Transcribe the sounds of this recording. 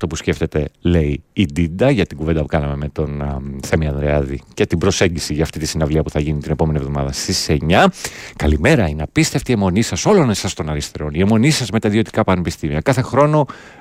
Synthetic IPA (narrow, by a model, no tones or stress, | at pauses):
ɐft̪o̞pusce̞ft̪e̞t̪e̞le̞iːd̪id̪ɐʝɐt̪iɡuved̪ɐpukɐnɐme̞me̞t̪o̞nθe̞miɐnðɾeɐðḭcet̪ibɾo̞se̞ɲɟisiʝɐːft̪it̪isinɐvliɐpuθɐʝinit̪ine̞po̞me̞nivðo̞mɐðɐst̪ise̞ɲɐkɐlime̞ɾɐinɐpist̪eft̪ie̞mo̞nisɐso̞lo̞nesɐst̪o̞nɐɾist̪e̞ɾo̞nie̞mo̞nisɐzme̞t̪ɐðio̞t̪i̥kɐpɐnepist̪imiɐkɐθe̞xɾo̞no̞